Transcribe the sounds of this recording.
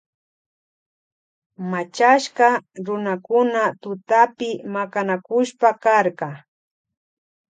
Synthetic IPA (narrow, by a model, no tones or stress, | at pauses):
mat͡ʃaʃkɑɾʊnakʊnat̪ʊt̪apɪmakanakʊʃpakaɾkɑ